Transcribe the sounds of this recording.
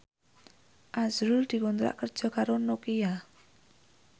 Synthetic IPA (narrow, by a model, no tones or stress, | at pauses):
ʔazɾuld̪̥i̤kunt̪ɾa̰ʔkər̥ʒ̥ɔ̤kaɾonokija